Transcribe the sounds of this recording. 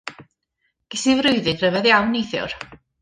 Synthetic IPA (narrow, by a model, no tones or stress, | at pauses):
ɡ̥ɪsivɾʊɨðɨrəvɛðjawnːejθjʊ̰r